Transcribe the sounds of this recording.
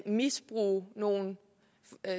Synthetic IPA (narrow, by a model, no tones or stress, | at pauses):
misb̥ʁṵːno̝ːn